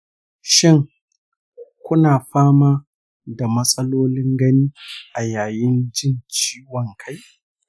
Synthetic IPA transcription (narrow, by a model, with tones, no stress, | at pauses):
ʃɪ˦ŋ | kʷʊ˦naː˨ɸaː˦maː˦ | da˨mɐ˦sʼɐ˦loː˦lɪ˦ŋɡɐ˦niː˦ʔa˨jaː˨jɪ˦nd͡ʒɪ˦nt͡ʃiː˦wɔ˨ŋkʰa˦j